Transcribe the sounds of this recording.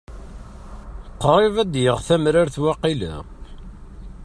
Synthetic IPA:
qːɾˤɪvæd̪jəʁθæmɾaɾθwɑqːilæ̰

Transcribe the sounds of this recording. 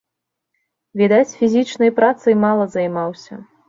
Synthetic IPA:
vʲid̪at͡sʲfʲizʲit͡ʂnɐjpɾat̪sɨjmalˠɐzɐjmawsʲɐ̰

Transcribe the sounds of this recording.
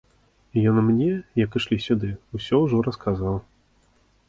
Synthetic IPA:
jɔnmnʲɛjɐkɨʂlʲisʲud̪ɨusʲɔwʐɔɾɐskʰazaw

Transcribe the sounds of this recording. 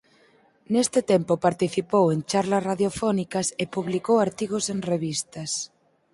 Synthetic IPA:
nest̪et̪empopaɾt̪iθipowent͡ʃaɾlasraðjofɔnikasepuβlikowaɾt̪iɣ̞osenreβist̪as

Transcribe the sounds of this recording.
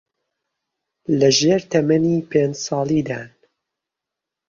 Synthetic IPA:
lɐʒeːɾt̪ʰɐmɐniːpʰeːnd͡ʒsɑːlˠid̪aːn

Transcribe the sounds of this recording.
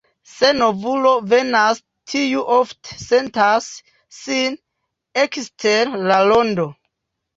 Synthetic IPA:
se̞no̞vulo̞ve̞nas | tʰijuʔoftsentasː | in | ekstʰeɾlalo̞ndo̞

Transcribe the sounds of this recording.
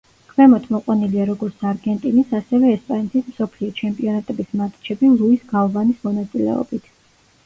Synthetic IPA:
kʰmɛmɔt̪ʰmɔqʼwaniliaɾɔɡɔɾt̪sʰaɾɡɛnt̪ʼinisasɛvɛːspʼanɛt̪ʰismsɔpʰliɔt͡ʃʰɛmpʼiɔnat̪ʼɛbismat̪ʼt͡ʃʰɛbilˠuisɡaɔvanismɔnat̪sʼilɛ̰ɔ̰bit̪ʰ

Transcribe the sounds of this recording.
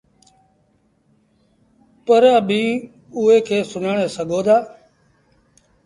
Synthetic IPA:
pəɾaːbʱiː | ʊeːkʰeːsʊnaːɳeːsəɡʱoːd̪aː

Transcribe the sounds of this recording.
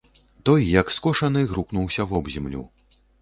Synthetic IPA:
t̪ɔjːɐkskɔʂɐnɨɣɾuknuwsʲɐvɔbzʲɛmlʲṵ

